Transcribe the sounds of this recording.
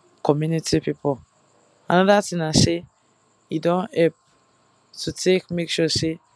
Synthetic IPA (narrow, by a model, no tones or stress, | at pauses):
kʰɔmjunitʰipipɔl | ãnɔdatĩnase | idɔ̃nhɛp̚ | tʰutʰekmekʃɔse